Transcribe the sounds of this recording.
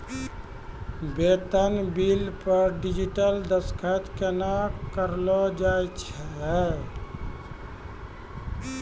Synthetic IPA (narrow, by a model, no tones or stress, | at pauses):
bet̪ənbilpəɾɖid͡ʒiʈəld̪əskʰət̪kenakəɾlɔd͡ʒajt͡ʃʰɛ